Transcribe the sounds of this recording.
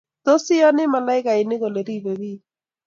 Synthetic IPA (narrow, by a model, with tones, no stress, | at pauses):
t̪o˦sɪ˦ɔ˦nɪ˦ma˨la˦ɪ˦ka˨ɪ˨nɪ˦ɣo˨le˨ɾi˦be˨ɾi˦